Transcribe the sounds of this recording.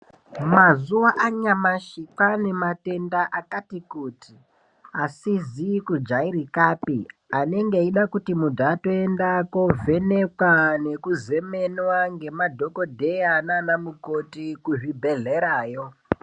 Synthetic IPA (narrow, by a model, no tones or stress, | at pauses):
mazuwaʔaɲamaʃiǃane̞mate̞ndaʔakatikuːtʰi | asizikud͡ʒaiɾikaːpiane̞ŋɡeiɗakutimudʱato̞endako̞vʱe̞ne̞kwane̞kuze̞me̞nwaŋɡe̞madʱo̞ko̞dʱe̞jananamukotikuʐibʱe̞ɮe̞ɾaːjo̞